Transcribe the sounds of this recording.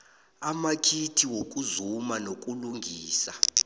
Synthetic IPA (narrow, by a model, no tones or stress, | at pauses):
amakʰitʰiwok̬ʼuzumanokʼuluŋɡʱiːsa